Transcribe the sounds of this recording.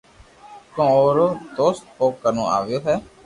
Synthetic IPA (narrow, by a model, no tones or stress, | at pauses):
kõːoːɾoːt̪oːst̪̚oːkəɾnõ̰ːa̰ːʋɪjoːɦɛː